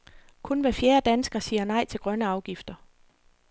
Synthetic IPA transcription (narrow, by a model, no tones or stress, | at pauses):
kʰɔ̽nʋæfjeːɐd̥ænsɡ̥ɐsiːɐnɑ̈ɪ̰t͡sʰe̝lɡ̥ʁɶnəɑ̈ʊɡ̥ifd̥ɐ